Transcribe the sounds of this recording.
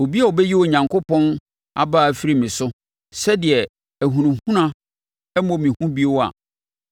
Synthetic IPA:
o˨bi˦a˨ɔ˨bɛ˦ji˦wo˨ɲã˨ŋkʰo˦pʰɔ̃˦n | a̰˨baː˦˨æ˨fi˦ɾi˦mɪ̃˨sʊ˦ | sɛ˦dɪ˨ɛ˨ | æ˨ɦũ˨nũ˨hũ˦nã˦ | ɛ˦mɔ̃˨mĩ˨hũ˦bi˦o˦wa̰˨

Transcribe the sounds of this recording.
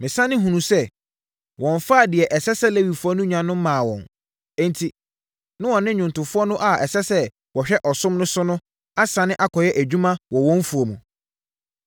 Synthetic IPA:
mɪ̃˨sã˦nɪ̃˦ɦũ˨nũ˨sɛ˦ | wɔ̃˨ɱfaː˦˨dɪ˨ɛ˨ʔɛ˨sɛ˦sɛ˦le˦wi˨fʊ˦ɔ˦nʊ̃˦ɲã˨nːʊ̃˦m˦mãː˨wɔ̃˨n | ɛ̃˦n˦tʰi˦ | nɪ̃˦wɔ̃˨nːɪ̃˦ɲʊ̃˨ntʊ˨fʊ˦ɔ˦nʊ̃˦ʔa˨ɛ˨sɛ˦sɛ˦ | wɔ˨ɕᶣɛ˦ʔɔ˨sʊ̃˦mnʊ̃˦sʊ˦nʊ̃˦ | a˦sã˨˦nɪ̃˦ʔa˦kʰɔ˨jɛ˦ʔæ˨d͡ʑᶣu˦mã˦wɔ˨wɔ̃˦n˦fu˨o˨mṵ̃˨

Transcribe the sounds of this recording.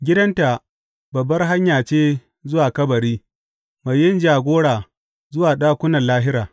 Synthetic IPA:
ɡʲɪ˦dɐ˦nta˨ | bɐ˨bːɐ˦rɦa˦ɲjaː˨t͡ʃeː˦ | zʊ˦waː˨kɐ˦bɐ˨ɾiː˦ | ma˨jːɪ˦nd͡ʒaː˨ɡʷoː˦ɽaː˨ | zʊ˦waː˨ɗaː˦kʷʊ˦nɐ˨nlaː˦ɦɪ˦ɾaː˨

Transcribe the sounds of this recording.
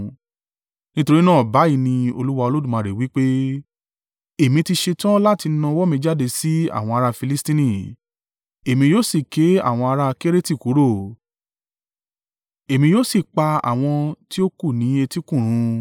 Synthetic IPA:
nĩ˦to˧ɾi˦nãː˦˨ba˨˦i˧nĩ˧o˧lu˦wa˧o˧lo˦dũ˦˨mã˨˧˨ɾe˨wi˨˦k͡pe˦ | e˨mĩ˧ti˧ʃe˧tã˦la˦ti˧˦nã˧wɔ˦mĩ˧d͡ʒa˦˨de˧si˦a̰˦˨w̃ɔ̃˧a˧ɾa˧fi˧li˦stĩ˦nĩ˦˨ | e˨mĩ˧joː˦si˦˨ke˨˦a̰˦˨w̃ɔ̃˧a˧ɾa˧ke˦ɾe˦ti˦˨ku˨˦ɾo˦˨ | e˨mĩ˧joː˦si˦˨k͡pa˧a̰˨w̃ɔ̃˧ti˦o˦ku˦˨nĩ˨˦e˧ti˦kũ˦˨ɾ̃ũ˨˧

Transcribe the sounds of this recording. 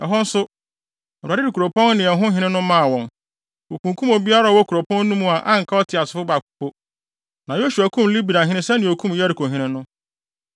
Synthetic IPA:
ɛ˨ɦɔ̃˦n̩˦sʊ˦ | ɛ˨a˨ɪ˦di˨kʰu˨ɾo˨pʰɔ̃˦n˦nɪ̃˨ɛ˨ɦʊ̃˦ɦɪ̃˦nɪ̃˦nʊ̃˦mã˦˨wɔ̃˨n | o˨kʰũ˨ŋ˨kʰu˦mo˨bi˦a˦ɾa˨wɔ˦kʰu˨ɾo˨pʰɔ̃˦nː˦ũ˦mũ˦a˨ʔã˦ŋ̩˨kʰa˦ɔ˦tʰɪ˨a˨sɪ̥˨˦fʊ˦ba˨ku̥˨po˦ | nã˨jo˦su˨a˨kʰũ˦mli˦bi˨ɾa˨ɦɪ̃˦nɪ̃˦sɛ˦nɪ̃˨o˨kʰũ˦m˨jɛ˦ɾi˨kʰo˨ɦɪ̃˦nɪ̃˦nʊ̃˦

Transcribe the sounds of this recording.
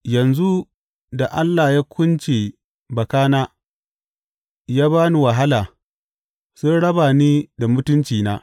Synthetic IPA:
jɐ˨nzu˦ | da˨ʔa˦lːa˨jaː˦kʷʰʊ˦nt͡ʃe˨ | bɐ˨kaː˦naː˦ | jaː˦baː˦ni˨wa˨ɦa˦laː˨ | sʊ˦nɽɐ˦baː˨niː˦da˨mʊ˦tʊ˦nt͡ʃiː˨naː˦

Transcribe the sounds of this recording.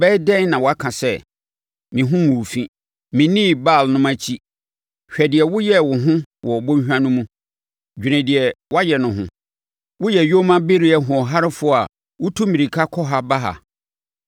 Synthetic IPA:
bɛ˦dɛ̃˦n˦nã˨wɔ˨˦a˦kʰã˨sɛ˦˨ | mĩ˨ɦʊ̃˦ŋũ˨fĩ˦ | mĩ˨nĩ˦˨ba˦˨lnʊ̃˦mã˦t͡ɕʰi˦ | ɕᶣɛ˨dɪ˨ɛ˨wʊ˦jɛ˦wʊ˨ɦʊ̃˦wʔɔ˨bõ˦ɕᶣã˦nʊ̃˦mũ˦ | d͡ʑᶣi˨nɛ̃˨dɪ˨ɛ˨wɔ˦a˦jɛ˨nʊ̃˨ɦʊ̰̃˦ | wʊ˦jɛ˨jo˦mã˦be˦ɾi˦ɛ˦ɦʊ̃˨ɔ˨ɦa˦ɾɪ˦fʊ˦ɔ˦a˨ | wʊ˦tʰu˦mĩ˨ɾi˨kʰa˦kʰɔ˦ɦa˦ba˦ɦa̰˨

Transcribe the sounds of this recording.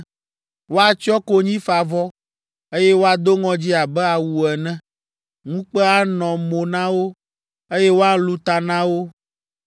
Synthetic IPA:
wo˦a˦t͡ʃɔ˦ko˦ɲĩ˦fa˨vɔ˦ | e˦jɛ˦wo˦a˨d̪o˦ŋɔ̃˦d͡ʑi˦a˨bɛ˦a˨wu˨ɛ˨nɛ̃˦ | ŋũ˦k͡pɛ˦a˦nɔ̃˨mo˨nã˦wo˦ | e˦jɛ˦wo˦a˦lu˦t̪a˨nã˦wo˦

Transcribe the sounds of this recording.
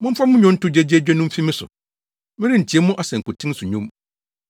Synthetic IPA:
mʊ̃˦m̩˦fa˦mʊ̃˦ɲᶣɔ̃˦n̩˦tʰʊ˦d͡ʑe˦˨d͡ʑi˦e˦d͡ʑᶣe˦nʊ̃˦m̩˦fi˦mɪ̃˦sʊ̰˨ | mɪ̃˦ɾɪ̃˦n̩˨tʰi˨e˦mʊ̃˦ʔa˨sɛ̃˨ŋ̩˨kʊ˨tʰĩ˦n˦sʊ˨ɲũ˦m

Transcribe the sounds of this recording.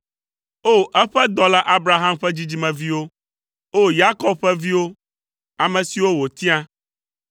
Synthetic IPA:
o˦ʔɛ˦ɸɛ˦d̪ɔ˦la˦ʔa˦bɾa˦ɦa˦mɸɛ˦d͡ʑi˦d͡ʑi˦mɛ̃˨vi˦wo˦ | o˦ja˦kɔ˦b̚ɸɛ˦vi˦wo˦ | a˨mɛ̃˨si˨wo˦wo˨t̪i˦a˦

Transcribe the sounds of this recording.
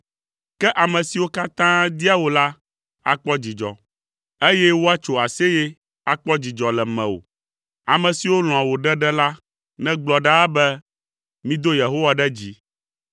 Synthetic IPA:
kɛ˦ʔa˨mɛ̃˨si˨wo˦ka˦t̪ã˦d̪i˦a˦wo˨la˦ | a̰˦k͡pɔ˦d͡ʑi˨d͡ʒɔ̰˨ | e˦jɛ˦wo˦a˦t͡ʃo˨a˨se˦jɛ˦ | a˦k͡pɔ˦d͡ʑi˨d͡ʒɔ˨lɛ˨mɛ̃˨o̰˨ | a˨mɛ̃˨si˨wo˦l̃ɔ̃˨a˨wo˨ɖɛ˦ɖɛ˦la˦ | nɛ̃˦ɡ͡blɔ˨ɖa˦bɛ˦ | mĩ˦d̪o˦je˨ɦo˦wa˦ɖɛ˦d͡ʑi˦

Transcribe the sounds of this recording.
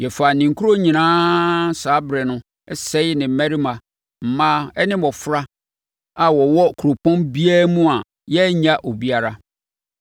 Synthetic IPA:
jɛ˨fa˨nɪ̃˨ŋ̩˨kʰu˦ɾo˦ɲĩ˨nãː˦saː˨˦bɾɛ˨nʊ̃˦ | ɛ˦sɛ˦nɪ̃˨˦mɛ̃˦ɾi˦mã˨ | m̩˨mãː˦ɛ˦nɪ̃˦mɔ̃˨fɾa˦ | a˨wɔ˨wɔ˦kʰu˨ɾo˨pʰɔ̃˦nbi˦a˦mũ˦a˨ | jɛ˦ɲã˦ʔo˨bi˦a˨ɾa˦

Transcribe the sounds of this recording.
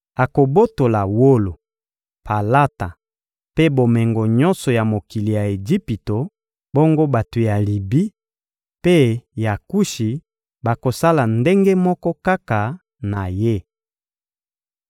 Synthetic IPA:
a˨ko˨bo˦to˨la˨wo˦lo˨ | pʰa˨la˦ta˨ | pe˦bo˨mɛ˨ŋɡɔ˨ɲɔ˦nsɔ˨ja˨mo˨ki˨li˨ja˨e˨d͡ʒi˦pi˨to˨ | bo˦ŋɡo˦ba˨to˨ja˨li˨bi˦ | pe˦ja˨ku˦ʃi˨ | ba˨ko˨sa˦la˨nde˦ŋɡe˦mɔ˦kɔ˦ka˦ka˨ | na˨je˦

